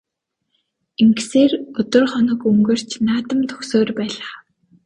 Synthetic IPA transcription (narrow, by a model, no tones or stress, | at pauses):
iŋɡseːrɵt̪ɵ̆rχɔnɞ̆kɵŋɡĕr̥t͡ɕnaːt̪ə̆mt̪ʰɵ̥xsoːrpæːɮaː